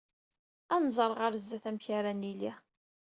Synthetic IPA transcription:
ænzˤəɾˤʁaɾzːæθæmçaɾænili

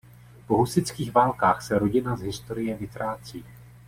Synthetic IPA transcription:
po̞ɦusɪt͡skiːɣvaːlkaːxsɛɾo̞ɟɪnazɦɪst̪o̞ɾɪjɛvɪt̪ɾaːt͡siː

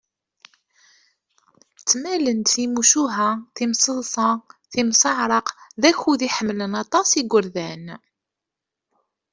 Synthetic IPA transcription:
t͡sːmælənt̪θimuʃuɦæθimsˤəðˤsɑθimsɑʕɾˤɑqðæçuðiħəmːlənɑt̪ˤɑsiɡʷəɾðæn

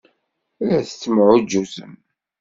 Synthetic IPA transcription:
ʊɾæθət͡sːəmʕʊd͡ʒːuzəm

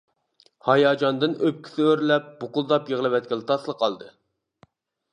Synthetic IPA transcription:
hɑjɑːd͡ʒɑnd̪ɨnøp̚kʲʰi̥sɪøɾlɛp̚boqʊlˠd̪ɑpjəʁlˠɨvɛt̪̚kʲɪlɪt̪ʰɑslˠəqʰɑlˠd̪ɨ

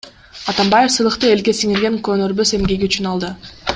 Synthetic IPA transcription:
ɑt̪ɑmbaje̞fsɯlˠɯqt̪ɯe̞lɡe̞siŋiɾɡe̞ŋkønø̞ɾbø̞se̞mɡe̞ɡʲiyt͡ʃynɑlˠd̪ɯ

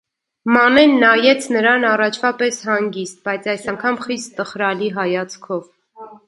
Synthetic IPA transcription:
mɑnɛnːɑjɛt͡sʰnəɾɑnɑrɑt͡ʃʰvɑpɛshɑŋɡist̪̚bɑjt͡sʰɑjsɑŋkʰɑmχist̪t̪əχɾɑliɦɑjɑt͡sʰkʰɔv

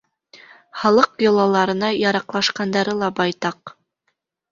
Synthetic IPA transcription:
χɑlˠɤqjŏlˠɑlˠɑɾɤ̆nɑjɑɾɑqlˠɑʃqɑnd̪ɑɾɤlˠɑbɑjt̪ɑq

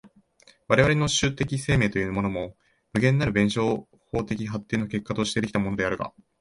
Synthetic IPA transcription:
βaɾe̞β̞aɾe̞no̞ɕɨːt̪ːe̞kʲise̞ːme̞ːt̪o̞jɯ̟ːmo̞no̞mo̞ | m̥ɯ̟ɡẽ̞nːaɾɯ̟bẽ̞ɕo̞ː | ho̞ːt̪e̞kʲiɦat̪ːe̞ːno̞ke̞kːat̪o̞ɕi̥t̪e̞d̪e̞kʲi̥t̪amo̞nod̪e̞aɾɯ̟ɡa̰

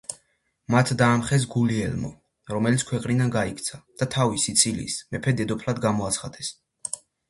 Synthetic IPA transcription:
mat̪ʰd̪aːmχɛs̬ɡuliɛlmɔ̰ | ɾɔmɛlit̪sʰkʰwɛqʼnid̪anɡaikʰt̪sʰad̪̥at̪ʰavisit̪sʰilḭsmɛpʰɛd̪ɛd̪ɔpʰlad̪ɡamɔat̪sʰχad̪̥ɛs

